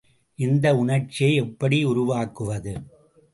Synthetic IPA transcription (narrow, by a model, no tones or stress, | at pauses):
ʔɪnd̪ɐʊɳɐɾt͡ʃːɪjɐɪɛpːɐɽiʊɾʊʋaːkɯʋɐðɯ